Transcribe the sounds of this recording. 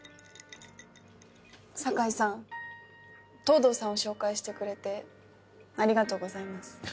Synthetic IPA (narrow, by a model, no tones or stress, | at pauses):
sakaisãn | t̪o̞ːd̪o̞ːsãɰ̃oɕo̞ːkaiɕi̥t̪e̞kɯ̟ɾe̞t̪e̞ | aɾʲiɡat̪o̞ːɡo̞zaimasɨ̥